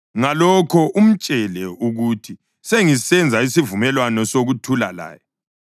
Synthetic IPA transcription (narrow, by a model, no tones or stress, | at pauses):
ŋalɔkʰɔʔum̩t͡ʃʼɛlɛuɣutʰi | seŋisɛnd͡zʱaisivumɛlwanɔsoɣutʰulala̰ːjɔ